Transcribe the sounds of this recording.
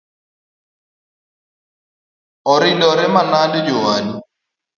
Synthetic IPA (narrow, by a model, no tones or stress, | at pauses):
ɔɾɪndɔɾɛmanandd͡ʒowani